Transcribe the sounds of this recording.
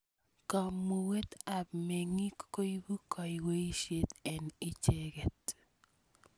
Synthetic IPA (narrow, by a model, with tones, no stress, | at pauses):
kɔ˨mːo˨we˦t̪a˨bme˨ŋi˦kːo˦i˦bu˦kʰɔ˨jwe˦i˦ʃje˦t̪ɛ˨ni˦t͡ʃe˦ɡe˨t̪